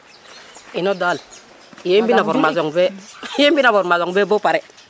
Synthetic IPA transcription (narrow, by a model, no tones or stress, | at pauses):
inodal | jembinavoɾmazoŋbejebinavoɾmazoŋbebopaɾe